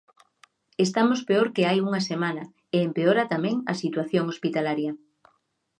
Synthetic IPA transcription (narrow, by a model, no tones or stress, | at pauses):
est̪amospeoɾkeajuŋɐsemanɐ | eempeoɾɐt̪amɛ̃ŋɐsit̪waθjoŋospit̪alaɾjɐ